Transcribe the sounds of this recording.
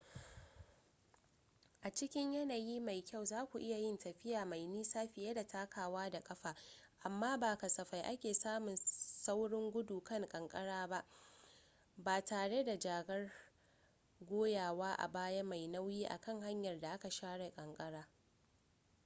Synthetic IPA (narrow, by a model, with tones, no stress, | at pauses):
ʔa˨t͡ʃɪ˦kʲɪ˦ɲjɐ˦naː˨jiː˦ma˨jkʲa˦˨wzaː˦kʷu˨ʔɪ˦ja˨jɪ˦ntɐ˨ɸɪ˦jaː˨ma˨jniː˦saː˦ɸɪ˨ja˦da˨taː˦kaː˨waː˦da˨kʼɐ˦ɸaː˨ | ʔa˨mːaː˦baː˨kɐ˨sɐ˨ɸa˨jʔa˦kʲeː˨saː˦mʊ˨nsa˦wɽɪ˦ŋɡʷʊ˦duː˨kɐ˦ŋkʼɐ˨ŋkʼɐ˦ɽaː˦ba˦ʔ | baː˨taː˨ɽe˦da˨d͡ʒaː˨ɡɐ˦r | ɡʷoː˦jaː˨waː˦ʔa̰˨baː˦ja˦ma˨jna˦wjiː˦ʔa̰˨kɐ˦˨ŋɦa˦ɲjɐ˨rda˨ʔa˦ka˨ʃaː˦ɽe˨kʼɐ˨ŋkʼɐ˦ɽaː˦